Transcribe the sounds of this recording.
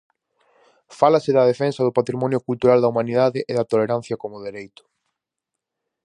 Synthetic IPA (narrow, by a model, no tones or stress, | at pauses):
falasɪðɐð̞efɛnsɐðʊpat̪ɾimɔnjʊkult̪uɾald̪ɐumaniðaðɪʔɪðɐt̪oleɾãn̟θjɐkomʊðeɾejt̪ʊ̥